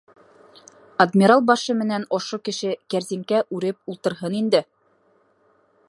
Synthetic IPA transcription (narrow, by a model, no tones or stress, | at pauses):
ɐd̪mʲiɾalˠbɑʃɤmɘ̆nænŏʃokɘ̆ʃɘkæɾzimkæʔʉɾɘp̚ulˠt̪ɤ̆ɾɦɤnind̪ɘ